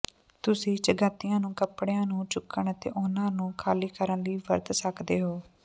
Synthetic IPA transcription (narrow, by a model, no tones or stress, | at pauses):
t̪ʊsĩːt͡ʃəɡəːt̪ːɪjãːnũːkəpɽejãːnũːt͡ʃʊkːəɳət̪ḛːʔʊnãːnũːkʰaːliːkəɾənliːʋəɾt̪səkd̪eːɦoː